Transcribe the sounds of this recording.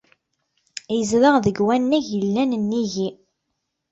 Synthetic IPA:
jəzləʁðəɡwænːæʝəlːænnːiʝi

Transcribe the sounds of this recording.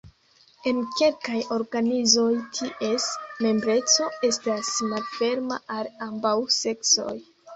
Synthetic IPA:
e̞nke̞lkajo̞ɾɡanizo̞jtʰiʔe̞sme̞mbɾe̞t͡so̞e̞stasnadfe̞ɾma̰ʔalambawse̞kso̞̰j

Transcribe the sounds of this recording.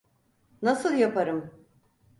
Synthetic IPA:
nasɯlˠjapaɾɯm

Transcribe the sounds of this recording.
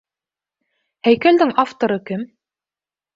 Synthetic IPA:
hæjkæld̪ɘŋaft̪oɾɤkɘm

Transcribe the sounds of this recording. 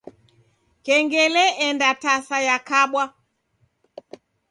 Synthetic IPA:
kɛŋɡɛlɛʔɛndatasajakaɓwa

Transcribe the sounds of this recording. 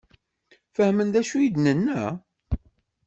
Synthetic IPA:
fəhmənd̪æʃujid̪nənːæ

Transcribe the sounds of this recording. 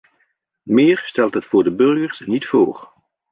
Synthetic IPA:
mɪːɹstɛlˠtɦətfʊːɹdəbɵrɣəɹsnitfoːɹ

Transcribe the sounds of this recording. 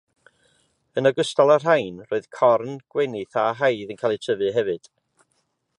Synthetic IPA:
ənəɡʊstɔlˠar̥ajnroːɨð̥kʰɔrnɡ̥wɛnɪθaɦajðənkʰaːlˠɨtʰəvɨɦɛvɨd̥

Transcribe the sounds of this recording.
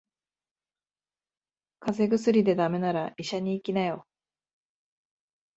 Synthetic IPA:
kaze̞ɡɯ̟sɨɾʲid̪e̞d̪ame̞naɾaiɕaɲ̟iːkʲinajo̞

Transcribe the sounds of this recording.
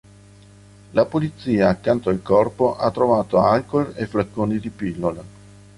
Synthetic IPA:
lapolit̪siːaːkːant̪oalkɔrpoʔat̪ːɾovaːt̪oalkolefɾakːoːnid̪ipilːole

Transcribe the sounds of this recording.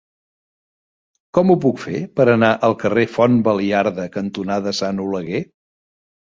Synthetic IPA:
kɔmupukfepəɾənaʔəlˠkərefɔnbəliaɾðəkənt̪unaðəsanuləɣe

